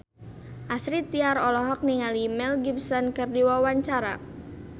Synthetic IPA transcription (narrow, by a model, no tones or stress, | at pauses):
ʔasɾit̪iaɾɔlɔɦɔk̚niŋalimɛlɡib̚sɔnkɨrdiwawaɲt͡ʃaɾa̰